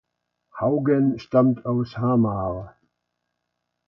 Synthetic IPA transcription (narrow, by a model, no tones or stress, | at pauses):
haʊɡənʃtamtʰaʊshaːmaːʁ